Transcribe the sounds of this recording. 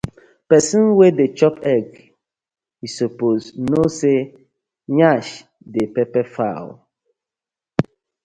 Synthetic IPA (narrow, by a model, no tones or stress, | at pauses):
pɛsə̃nwedet͡ʃɔpɛɡ | isopoznose | ɲaʃ | depɛpɛfa̰l